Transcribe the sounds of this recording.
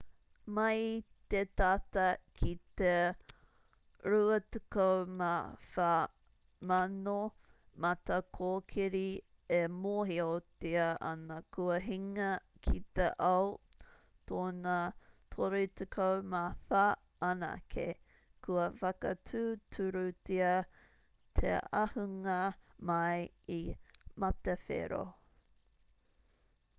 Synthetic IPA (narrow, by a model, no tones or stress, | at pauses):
mɐjt̪et̪atɐkʰit̪e | ɾuɐtukowmafa | mɐno | mɐt̪ɐkʰoːkʰiɾi | emoɦiotiɐʔɐ̰nɐkʰuɐɦiŋɐkʰit̪eʔɐw | tʰoːnɐt̪ʰoɾitekʰowmafa | ana̰kʰḛ | kʰuɐfɐkɐtʰʉːtʰuɾutiɐ | t̪ʰḛa̰huŋɐmɐj | imɐtefḛɾo̰